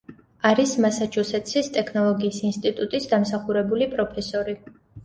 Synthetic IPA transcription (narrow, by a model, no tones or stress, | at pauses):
aɾismasat͡ʃʰusɛt̪ʰʼsist̪ʼɛkʰnɔlˠɔɡiːsinst̪ʼit̪ʼut̪ʼisd̪amsaχuɾɛbulipʼɾɔpʰɛsɔɾi